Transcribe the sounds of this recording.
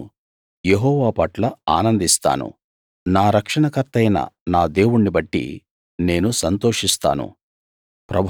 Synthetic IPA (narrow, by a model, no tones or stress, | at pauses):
je̞ɦɔːʋaːpɐʈlɐaːnɐnd̪ist̪a̰ːnṵ | naːɾɐkʂɐɳɐkɐɾt̪ɐjnɐ̰naːd̪e̞ːwuɳːibɐʈːḭ | ne̞ːnusɐnt̪o̞ːʂist̪a̰ːnṵ | pɾɐbʱ